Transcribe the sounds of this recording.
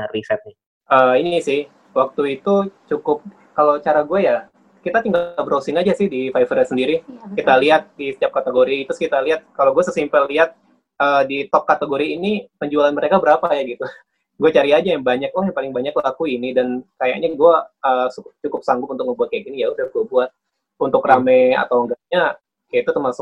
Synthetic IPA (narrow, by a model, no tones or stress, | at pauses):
risɛt̪̚ni | ʔəːinisɪh | wak̚t̪uit̪ut͡ʃukʊp̚ | kalot͡ʃaɾaɡuaja | kit̪at̪iŋɡabəɾosɪŋad͡ʒasɪhdifajfərjasəndiɾikit̪aliɦat̪̚disə̥t̪iap̚kat̪əɡoɾiɡt̪ʊskit̪aliɦat̪̚kaloɡuasəsimpəlːiɦat̪̚ | ʔədit̪ɔp̚kat̪əɡoɾiːnipəɲd͡ʒualanməɾekabəɾapajaɡit̪u | ɡuat͡ʃaɾiad͡ʒajaŋbaɲak̚tɔhjaŋpalɪŋbaɲaklakuinidankaja̰ʔɲaɡuaʔəːsukʊp̚t͡ʃukʊp̚saŋɡʊpunt̪ʊk̚məbuat̪̚kajakinijaudarɡuabuat̪̚ | unt̪ʊkramɛa̰t̪awəŋɡaʔɲa | kajait̪ut̪ərmasʊk̚